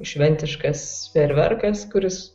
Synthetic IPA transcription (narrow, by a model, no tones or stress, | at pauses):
ʃʲʋʲɛnʲt̪ʲɪʃkɐspʲɛɾʲʋʲɛ̰ɾkɐskʊɾʲɪs